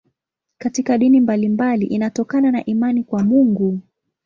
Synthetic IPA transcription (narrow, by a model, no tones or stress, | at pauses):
katikaɗinimbalimbaliʔinatɔkananaʔimanikwamuŋɡu